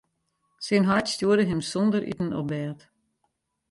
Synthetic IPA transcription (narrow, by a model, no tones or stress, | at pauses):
sɪnɦatstjuədəɦɪmsɔndəɾʔḭtən̩ɔ̰bɛːt